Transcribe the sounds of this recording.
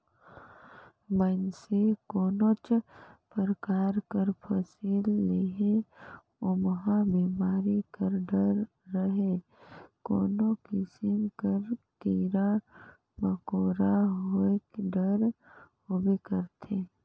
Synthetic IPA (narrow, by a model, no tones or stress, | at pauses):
bənsekɔːnõt͡ʃpəɾəkaːɾkəɾpʰəsiːlːeɦe | ʊmɦãbiːmaːɾikəɾɖəɾː | əɦe | ko̰ːnõkɪsɪmkəɾk̪iːɾa | məkoːɾaɦoekɖəɾhoːbekəɾt̪ʰe